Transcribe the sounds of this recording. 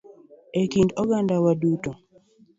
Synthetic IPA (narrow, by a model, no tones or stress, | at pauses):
ekindɔɡandawaduto